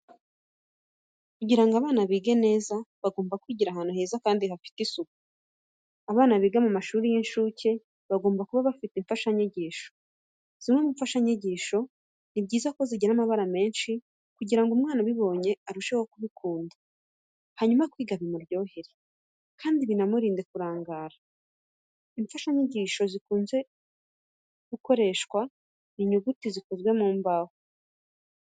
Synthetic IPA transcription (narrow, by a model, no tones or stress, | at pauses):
kuɟiɾaŋɡaβaːnaβiːɡe̞ne̞ːzaβaɡo̞ːmbakwiːɟiɾaɦanuhe̞ːzakaːndihafi̥tisuku | aβaːnaβiːɡamamaʃuːɾijinʃuːcʰe̞ | βaɡo̞ːmbakuβaβafitiɱfaʃaɲeɟiːʃo̞̥ | z̥imomuɱfaʃaɲeɟiːʃo̞ | nibɟiːzako̞ziɟinamaβaɾame̞ːnʃi | kuɟiɾaŋɡumŋaːnaβiβo̞ɲe̞aɾuʃeho̞kuβikʰuːnda | haɲumakwiːɡaβemuɾɟo̞ːheɾi | kaːndiβinamuɾiːnde̞kuɾaːŋɡaːɾa | iɱfaʃaɲeɟiːʃo̞zikuːnze̞ | ɡ̥uko̞ɾe̞ʃkwa | niɲuɡutizikozɡwe̞muːmbaho